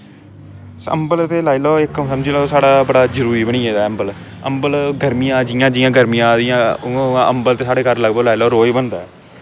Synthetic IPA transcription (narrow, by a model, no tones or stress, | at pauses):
sə̰mbəlt̪eːlaːiloːɪkːsəmd͡ʒiːlaːsaːɽaːbəɽaːd͡ʒəɾuːɾiːbəɳ̃iːeːd̪aːəmbəl | ə̰mbəlɡəɾmijãːd͡ʒɪjãːd͡ʒɪːãːɡəɾmijãːd̪ɪjãːãʔəmbəlt̪eːsaːɽeːkəɾləɡb̪oːlaːiloːɾoːibənd̪aɛː